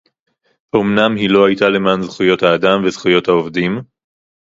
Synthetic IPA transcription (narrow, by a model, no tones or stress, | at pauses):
omnamɦilo̞hajt̪ale̞manzχujo̞t̪haːd̪amvezχujo̞thaovd̪im